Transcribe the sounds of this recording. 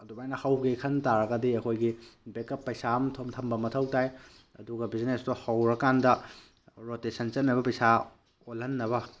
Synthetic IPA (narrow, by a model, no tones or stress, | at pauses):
ɐdubajnɐhɐwɡekʰɐntaɾɐɡɐdiɐkʰojɡibekɐpːɐjsamtʰomtʰɐmbɐmɐtʰɐwtaj | ɐ̰duɡɐbiznestuhɐwɾɐkandɐ | ɾotesʰɐnt͡ʃɐnːɐbɐpɐjsa | olɐnːɐβɐ